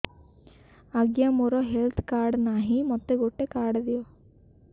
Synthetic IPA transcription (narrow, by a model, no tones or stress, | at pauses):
aɡjamoɾɔɦelt̪ʰkaɾɖnaɦĩmɔt̪eɡoʈekaɾɖd̪iɔ